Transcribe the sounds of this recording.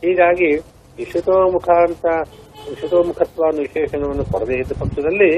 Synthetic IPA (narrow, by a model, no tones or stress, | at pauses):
ɦiːɡaːɡi | ʋiʂut̪ɐmukʰaːnt̪ɐ | ʋiʃut̪ɐːmukʰɐt̪ʋaːniʃɛːʂɐnɐʋɐnːukɔɽɐd̪eid̪ːɐpɐmsɐd̪ɐlːi